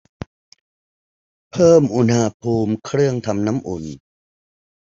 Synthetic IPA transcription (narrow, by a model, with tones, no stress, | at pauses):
pʰɤː˥˩mʔu˧nha˧pʰuː˧mkʰɾɯ˥˩əŋt̪ʰa˧mna˦˥mʔu˨˩n